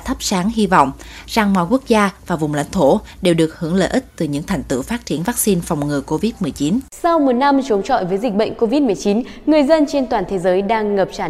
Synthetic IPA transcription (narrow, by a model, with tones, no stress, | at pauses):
t̪ʰə˦˥p̚saː˨˦ŋɦi˧vɔ̰˧˨wŋ͡mz̥a˨˩ŋmɔ̰˧˨jku˦˥ək̚zaː˧vaː˨˩vʊ˨˩ŋ͡mla̰˧jŋ̟t̪ʰo˧˩ɗe˨˩wɗɨ˨˩ək̚hɨ˧˥əŋlə̰ː˧˨ʔi˦˥k̚t̪ɨ˨˩ɲɨ̰˧˥ŋt̪ʰɛ˨˩jŋ̟t̪ɨ̰˧˩faː˦˥t̚t͡ɕi˧˩ənvaː˦˥k̚si˧nfa˨˩wŋ͡mŋɨ˨˩əko˧vi˦˥t̚mɨ˨˩əjt͡ɕi˨˦nsa˧wmo˨˩t̚na˧mt͡ɕo˨˦ŋ͡mt͡ɕɔ̰˧˨jvəː˨˦jzi˨˩k̟̚ɓə̰˧˨jŋ̟ko˧vi˦˥t̚m˨˩əjt͡ɕi˨˦n | ŋɨ˨˩əjzə˧nt͡ɕe˧nt̪waː˨˩nt̪ʰe˨˦zəː˨˦jɗaː˧ŋːə˨˩p̚t͡ɕaː˧˩